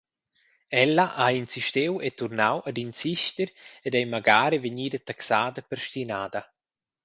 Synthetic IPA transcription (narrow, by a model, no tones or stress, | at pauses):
ɛlːaʔainsiʃt̪ewet̪uɾnawʔad̪insiʃt̪əɾɛdɛjmaɡaːɾeveɲiːd̪at̪aksaːd̪apəɾʃt̪inaːd̪a